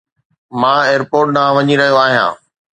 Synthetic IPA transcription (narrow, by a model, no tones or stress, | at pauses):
mãːeːəɾpoːɾʈ̚nãʋɐɲiɾɐɦijoaːɦijã̰ː